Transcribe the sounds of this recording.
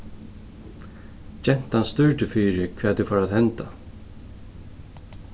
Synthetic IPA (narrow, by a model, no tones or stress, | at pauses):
d͡ʒɛn̥t̪anst̪ʏɹʈɪfyːɾɪkʰvɛːt̪ːufaːɾaðhɛnt̪a